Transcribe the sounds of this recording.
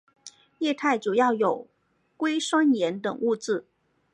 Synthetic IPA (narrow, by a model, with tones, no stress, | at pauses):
jɛ˥˧t̪ʰa˥˩ɪʈ͡ʂu˨˩jɑ˥˩ʊjo˨˩ʊ | kwe˥ɪʂwɑ˥ŋjɛ˧˥nt̪ɤ˨˩ŋu˥˧t͡sɹ̩˥˩